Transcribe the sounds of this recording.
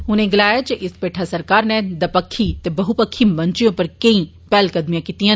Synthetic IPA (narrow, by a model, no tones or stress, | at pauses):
ɦʊnẽːɡɪlaːjat͡ʃeʔɪspeːʈʰaːsəɾkaːɾnɛ̃d̪ɐpəkʰːit̪eːbəɦupəkʰːiːməɲt͡ʃɪjõpəɾkəĩː | pɛːlkəd̪mijãːkiːt̪ijãː